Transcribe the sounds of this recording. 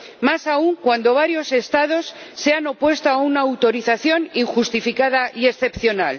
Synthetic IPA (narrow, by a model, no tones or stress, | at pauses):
masauŋkwand̪o̞β̞aɾjo̞se̞st̪að̞o̞sːe̞ano̞pwe̞st̪oaunaːwt̪o̞ɾiθaθjo̞niŋxust̪ifikaðaʔie̞sθe̞pθjo̞nal